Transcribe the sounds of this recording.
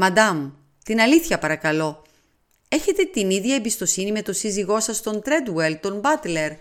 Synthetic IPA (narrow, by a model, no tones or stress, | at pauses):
mɐd̪ɐmu | t̪inɐliθçɐpɐɾɐkɐlo̞ | e̞çe̞t̪e̞t̪iniðʝɐebist̪osinime̞t̪o̞siziɣo̞sɐst̪o̞nt̪ɾe̞d̪welt̪o̞nbɐt̪le̞ɾ